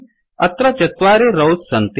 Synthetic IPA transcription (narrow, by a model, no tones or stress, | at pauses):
ɐt̪ɾat͡ʃɐt̪ʋaːɾeɾɐwssɐnt̪